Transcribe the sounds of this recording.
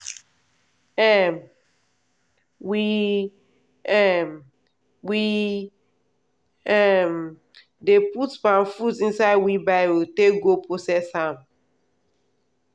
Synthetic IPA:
ɛm | wi | ɛm | wi | ɛm | deputpãmfutĩnsaɪdwibaɪwiteɡopɹosɛshãm

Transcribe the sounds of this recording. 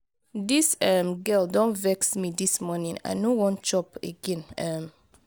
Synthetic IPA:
disɛmɡɛldɔ̃nvɛksmidismɔnĩŋa̰ɪnowɔ̃nt͡ʃɔpḛɡɛ̃nɛm

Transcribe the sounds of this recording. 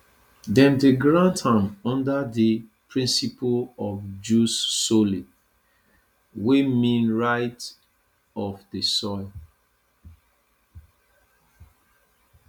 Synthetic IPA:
dɛ̃ndeɡɹãntãmɔ̃ndadipʰɹĩnsipʰəlɔfd͡ʒusːoli | wemĩnɹaɪt | ɔvdəsɔɪl

